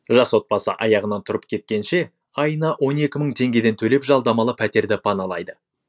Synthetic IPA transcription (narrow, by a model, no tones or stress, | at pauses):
ʒɑswo̞t̪̚pɑsə̰ʔɑjɑʁənɑnt̪ʰʊɾəpkʲʰe̞t̪̚kʲe̞nʃe̞ | ɑjənɑwo̞ne̞kʲɪməɴt̪ʰe̞ŋɡʲe̞d̪e̞nt̪ʰɵle̞pʒɑlˠd̪ɑmɑlˠəpʰæt̪e̞ɾd̪ɪpʰɑnɑlˠɑjd̪ə